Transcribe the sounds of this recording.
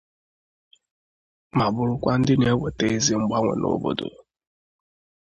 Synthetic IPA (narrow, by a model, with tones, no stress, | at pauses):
ma˨bʊ˨ɾʊ˦kʷa˦n̩˦dɪ˦n˨e˦we˨te˦e˦zi˦ŋ͡m̩˦ɡ͡ba˦ŋʷḛ˨nʔo̰˦bo̰˨do̰˨